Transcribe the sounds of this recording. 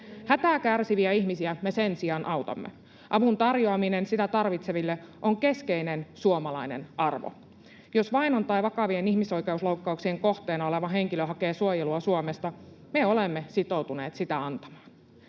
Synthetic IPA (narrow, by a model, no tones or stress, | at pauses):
hæt̪æːkærsiʋiæiçmisiæme̞sensiɑnʔɑwt̪ɑ̰mːḛ | ʔɑʋunt̪ɑrjoɑminensit̪æt̪ɑrʋit̪seʋilːeʔo̞ŋke̞ske̞inensuomɑlɑine̞̰nʔɑrʋo̰ | josʋɑinont̪ɑjʋɑkɑʋienihmiso̞ijkeuslouwkːɑuksieŋko̞ht̪eːnɑole̞ʋɑɦe̞ŋkiløɦɑke̞ːsuojeluɑsuomest̪ɑ | meolemːesit̪o̞wt̪uneːt̪sit̪æɑnt̪ɑ̥mɑːn